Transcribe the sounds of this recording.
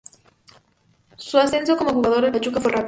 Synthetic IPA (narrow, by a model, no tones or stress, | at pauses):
suasensokomoʝuɣaðoɾepat͡ʃukaforap